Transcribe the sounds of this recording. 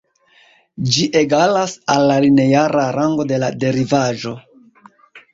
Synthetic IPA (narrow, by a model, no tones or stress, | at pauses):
d͡ʒiʔe̞ɡalasalːaline̞jaɾaɾaŋɡo̞de̞lade̞ɾivaʒo̞